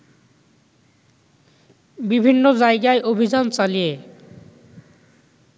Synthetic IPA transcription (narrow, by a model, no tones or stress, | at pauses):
bibʱinːod͡ʑaeɡaeʔobʱid͡ʑant͡ɕalije